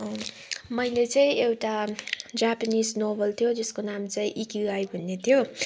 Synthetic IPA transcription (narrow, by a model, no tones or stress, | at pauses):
mʌjlet͡saĩewʈad͡zapanisnobʌlt̪ʰjod͡zeskonamt͡saĩʔikiajbʱunːet̪ʰjo